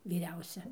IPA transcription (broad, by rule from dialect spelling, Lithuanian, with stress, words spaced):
ʋʲiːˈrʲɛʊsʲɛ